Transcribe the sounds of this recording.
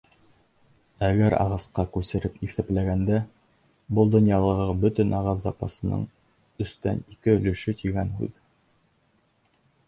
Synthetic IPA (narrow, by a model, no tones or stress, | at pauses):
æɡæɾʔɑ̰ʁɑsqɑkʉsɘ̆ɾɘpiθæplæɡænd̪æ | bɤlˠd̪ŏnjɑlˠɤ̆ʁɤbɵ̆t̪ɵnʔɑʁɑs̬zɑpɑsɤ̆nɤ̰ɴ | ɵ̆st̪æ̰nikɘɵ̆lɵ̆ʃɵt̪iɡænhʉ̰ð